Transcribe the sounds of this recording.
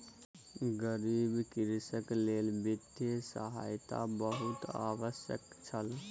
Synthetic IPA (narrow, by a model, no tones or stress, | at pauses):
ɡəɾiːbkɪɾsəkleːlbɪd̪jəsə̰ɦa̰ːjt̪a̰bəɦʊt̪a̰ːʋəʃjə̰k | t͡ʃʰəl